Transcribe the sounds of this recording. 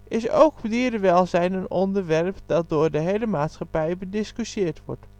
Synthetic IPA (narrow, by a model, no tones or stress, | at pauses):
ʔɪso̰wkbdiːdəʋɛlˠzɛjnənɔndəɹʋɛɹpdɑt̚doːɹdəɦejləmaːtsχɑpɛjbədɪskyʃɪːɹtʋɔ̰ɹt